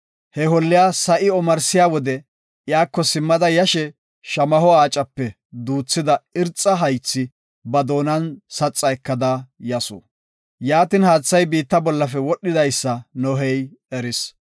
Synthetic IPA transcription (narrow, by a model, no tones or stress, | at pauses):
hɛhɔlːɪjaːsɐʔɪɔmɐɾsɪjaːwɔd̪ɛ | jaːkːɔsɪmːɐd̪ɐjɐʃɛ | ʃɐmɐhɔaːt͡ʃʼɐpːɛ | d̪uːt͡sːɪd̪ɐɪɾt͡sʼːɐɦɐjt͡sːɪ | bɐd̪o̞ːnɐnsɐt͡sʼːɐɛkːɐd̪ajɐsɔ̰ | jaːt̪ɪnhaːt͡sːɐjbiːt̪ːɐbɔlːɐfɛwɔɗːɪd̪ɐjsːɐnɔɦɛjɛɾɪs